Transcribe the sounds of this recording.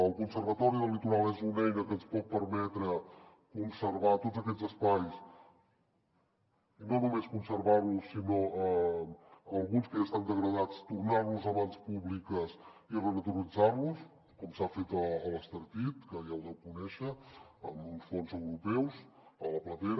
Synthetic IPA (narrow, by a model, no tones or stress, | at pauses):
əlˠkunsərβət̪ɔɾiðəlit̪uɾalˠɛzunɛjnəkənspɔt̪̚pəɾmɛt̪ɾə | kunsəɾβat̪od͡zəkɛd͡zəspajs | inonumeskunsəɾβarlusːinoə | əlˠɣunskəʒast̪and̪əɣɾəðat͡st̪urnarnuzəβanspuβlikəzirənət̪uɾəlid͡zarlus | kɔmsafet̪əələst̪əɾt̪it̪kəiɛwðəkunɛʃəəmunsfonzəwɾupɛwsələplət̪ɛɾ